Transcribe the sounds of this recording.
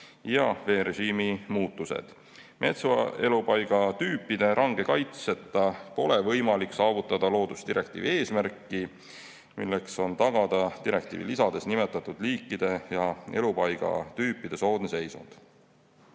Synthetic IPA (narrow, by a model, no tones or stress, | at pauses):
jɑve̞ːɾe̞ɕiːmimuːt̪ːusḛd̪̥ | mʔe̞t̪sɑe̞lupɑjɡ̥ɑt̪yːpːˑid̪̥e̞ʔɑŋɡ̥e̞kɑjt̪se̞t̪ːˑɑpo̞le̞vɤ̞jmɑlikːsɑːvut̪ːˑɑd̪̥ɑlo̞ːd̪̥ust̪iɾʔe̞k̚t̪ḭːvie̞ːsmæɾkːˑi | milːe̞kso̞nt̪ɑɡ̥ɑd̪̥ɑt̪iɾe̞k̚t̪ḭːvḭlisɑd̪e̞snimet̪ːˑɑt̪ːˑud̪̥liːkːˑid̪̥e̞jɑe̞lupɑjɡ̥ɑ̰t̪yːpːˑid̪̥e̞so̞ːd̪̥nise̞jsṵnd̪̥